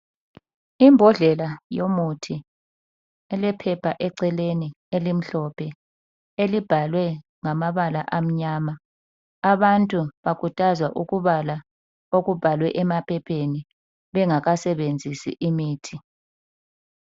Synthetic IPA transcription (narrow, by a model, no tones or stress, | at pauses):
imbʱɔɮɛlajomutʰi | ɛlɛpʰɛpʰaʔɛǀɛleni | elim̩ɬɔpʰɛ | elib̥ʱalwɛ | ŋamaβalaʔam̩ɲaːma | aβantʼuβakʰutʼazwaʔuɣuβala | oɣub̥ʱalwɛʔɛmapʰɛpʰeni | βɛŋaɣasɛβend͡zʱisḭʔimiːtʰi